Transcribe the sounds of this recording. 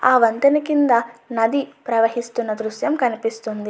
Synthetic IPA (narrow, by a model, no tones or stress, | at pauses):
aːʋɐnt̪ɐnikind̪ɐnɐd̪ipɾɐʋɐɦist̪unːɐd̪ɾuʃjɐmkɐnipist̪und̪i